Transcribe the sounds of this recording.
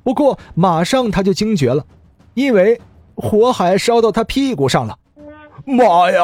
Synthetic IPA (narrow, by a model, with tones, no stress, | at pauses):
pu˧˥kwɔ˥˩ma˨˩ʂɑ˥˩ŋt̪ʰa˥t͡ɕjo˥˩ʊt͡ɕi˥ŋt͡ɕɥɛ˧˥lə˨ | i˥nwe˥˩ɪ | xwɔ˧˥xa˨˧˥ɪʂɑ˥ʊt̪ɑ˥˩ʊt̪ʰa˥pʰi˥˩ku˧˥ʂɑ˥˩ŋlə˩ | ma˨˩ja˧